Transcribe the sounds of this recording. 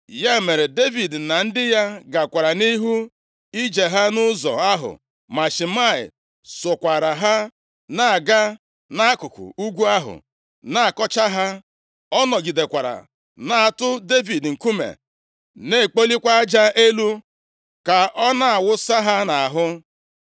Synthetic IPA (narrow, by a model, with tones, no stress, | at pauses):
ja˦˨me˨ɾe˨de˦vi˨dna˨n̩˦dɪ˦ja˦ɡa˨kʷa˨ɾa˨ni˦ɦu˦ | i˦d͡ʒe˨ɦa˦nʊ˦zɔ̰˨a˦ɦʊ̰˨ | ma˨ʃi˨ma˦˨ɪ̰˨ | sʊ˨kʷa˨ɾa˨ɦa˦ | na˨a˨ɡa˦ | na˦a˦kʊ˨kʊ̰˨u˦ɡʷu˦a˦ɦʊ̰˨ | na˦a˨kɔ˦t͡ʃa˦ɦa˦ | ɔ˦nɔ˨ɡi˨de˨kʷa˨ɾa̰˨ | na˨a˨tʊ˦de˦vi˨dŋ̩˨ku˦mḛ˨ | ne˦˨k͡po˦li˦kʷa˦a˦d͡ʒa˦ʔe˦lu˦ | ka˨ʔɔ˦na˦a˨wʊ˦sa˦ɦa˦na˨a˨ɦʊ˦